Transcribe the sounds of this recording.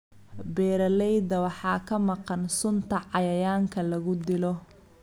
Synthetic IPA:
bɛːɾɐlɛjd̪ɐwɑħɑːkʰɐmɑqɑnsʊnt̪ʰɐʕɑjɐjaːŋkʰɐlɐɣʊd̪ɪlɔ

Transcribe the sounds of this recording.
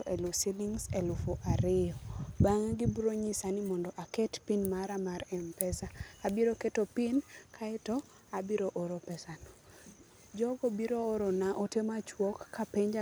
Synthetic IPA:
ɔʔelusiliŋselufoʔaɾɪɔbaŋaɡɪbɾoɲisanimɔndɔʔakɛtpinmaɾamaɾɛmpɛsaːbiɾoketopinkʰaɪtɔ | abiɾoʔoɾopɛsanɔ | d͡ʒɔɡobiɾoːɾɔnaʔotemat͡ʃwɔkːapeɲd͡ʒa

